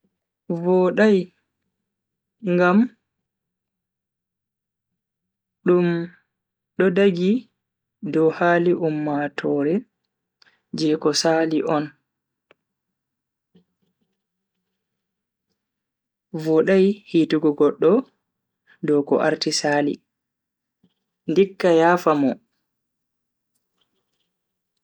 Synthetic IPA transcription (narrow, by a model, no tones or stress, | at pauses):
vɔɗaj | ŋɡam | ɗum | ɗɔdaɡi | dɔhaːliʔumːatʰɔɾɛ | d͡ʒɛkɔsaliʔɔn | vɔɗajhiːtuɡɔɡɔɗːɔ | dɔkɔ̰ʔa̰ɾtisaːlḭ | ndikːajaːfamɔ